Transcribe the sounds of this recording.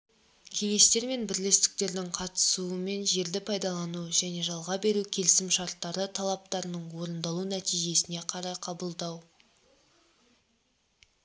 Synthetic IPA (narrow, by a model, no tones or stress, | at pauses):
kʲʰe̞ŋe̞st̪e̞ɾme̞nbɪɾle̞st̪ɪ̥k̚t̪e̞ɾd̪ɪŋqʰɑt̪ə̥suəme̞nʒe̞ɾd̪ɪpʰɑjd̪ɑlˠɑnuʒæne̞ʒɑlˠʁɑbe̞ɾukʲʰe̞lɪsɪmʃɑɾt̪ːɑɾət̪ʰɑlˠɑp̚t̪ɑɾənəɴwo̞ɾənd̪ɑlˠunæt̪ijʒe̞sɪneqʰɑɾɑjqʰɑbəlˠd̪ɑw